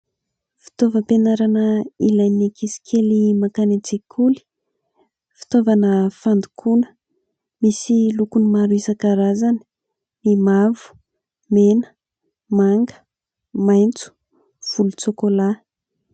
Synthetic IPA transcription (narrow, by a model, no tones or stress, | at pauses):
fi̥t̪ovəpenaɾanəilajnekisi̥kʰelimakanet͡sekʰuli̥ | fi̥t̪ovanəfand̪ukʰunə̥ | misilukunimaɾuisakaɾazani̥ | mimavu̥ | menə̥ | maŋɡə̥ | majnt͡su̥ | v̥ulut͡sokola